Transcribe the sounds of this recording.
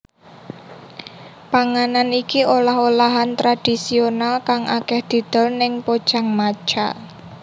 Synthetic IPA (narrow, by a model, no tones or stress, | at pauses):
paŋananikiolaholaɦant̪ɾad̪̥i̤sionalkaŋʔakɛhd̪̥i̤d̪̥ɔ̤lnɪŋpod̥ʒ̥a̤ŋmḁt͡ʃa